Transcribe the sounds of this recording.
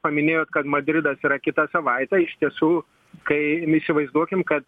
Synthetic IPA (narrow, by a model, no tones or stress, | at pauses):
pɐmʲɪnʲeːjoːt̪kɐt̪mɐd̪ʲɾʲɪd̪ɐsiːɾɐkʲɪt̪ɐsɐʋɐɪt̪ʲɛːɪʃʲt̪ʲiɛsuː | kɐɪisʲɪʋɐɪzd̪uɔkʲɪmkɐt̪